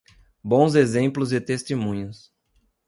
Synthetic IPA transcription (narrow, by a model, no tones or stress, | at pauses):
bõw̃zezẽmplʊzɪt̪est̪emũɲʊs